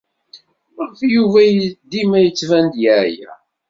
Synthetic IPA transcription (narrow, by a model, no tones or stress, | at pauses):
məɾθjuvæd̪imæjət͡sːvænd̪jæʕjæ̰